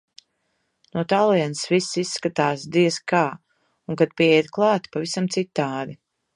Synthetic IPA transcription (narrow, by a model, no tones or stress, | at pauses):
nuɔt̪alˠiɛnsvisːisːkat̪aːsd̪iɛskaː | uŋkad̪̚piɛiɾklˠɑːt̪pavisamt̪sit̪ːaːd̪i